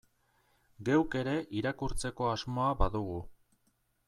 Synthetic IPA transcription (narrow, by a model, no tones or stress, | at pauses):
ɡe̞wke̞ɾe̞ʔiɾakuɾt͡se̞ko̞azmo̞aβaðuɣu